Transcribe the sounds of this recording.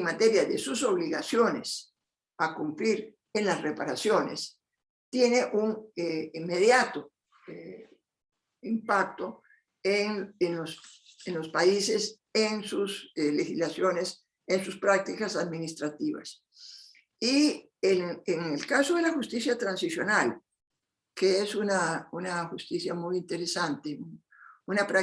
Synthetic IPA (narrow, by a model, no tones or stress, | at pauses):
ŋmat̪eɾjaðesuso̞βliɣa̰sjo̞nes | akumpliɾ | enlasrepaɾasjo̞nes | t̪jeneʔuŋeimːeðjat̪o | e | impak̚t̪o | eŋenlos | enlo̞spaises | ensuslexizlasjo̞nes | ensuspɾak̚t̪ikasaðminist̪ɾat̪iβa̰s | i | eeŋelkasoðelaxust̪isjat̪ɾansisjo̞nal | keesunaunaxust̪isjamujint̪eɾesant̪eun | unapɾa